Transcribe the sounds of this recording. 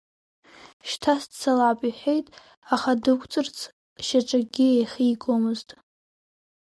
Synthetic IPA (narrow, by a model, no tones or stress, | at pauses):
ʃtʰastt͡sʰalapʼiħʷejtʼ | aχadɨkʷʰʼt͡sʼɨrt͡sʰ | ʃaʈ͡ʂʼaɡʲiejχʲiːkʼomɨztʼ